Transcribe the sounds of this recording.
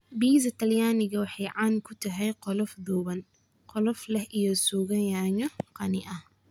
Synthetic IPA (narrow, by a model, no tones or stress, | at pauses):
biːsɐt̪ʰɐljaːnɪɣɐwɑħɑjʕɑːnkʰʊt̪ʰɐɦɛjqɔlɔfd̪uːβɐn | qɔlɔflɛhʔijɔsuːɣɐjaːŋɐqɑnɪʔɐh